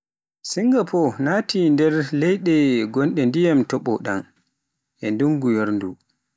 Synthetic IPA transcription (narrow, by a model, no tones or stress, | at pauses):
siŋɡapʰɔnaːtindɛɾlɛjɗɛɡɔnɗɛndijamtɔɓɔɗa̰n | ʔɛnduŋɡujoɾndu